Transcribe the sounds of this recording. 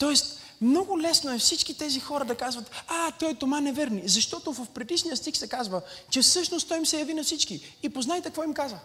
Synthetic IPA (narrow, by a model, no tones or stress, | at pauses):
t̪ɔɛst̪ | mnɔɡʊlɛsnoɛfsit͡ʃkit̪ɛzixɔɾəd̪ɐkazvɐt̪at̪ɔjt̪omanɛvɛɾnizɐʃt̪ɔt̪ovəfpɾɛd̪iʃnijəst̪ixsɛkazvət͡ʃɛfsɤʃnost̪t̪ɔimsɛjɐvinɐfsit͡ʃkiipoznajt̪ɛkvɔimkazvə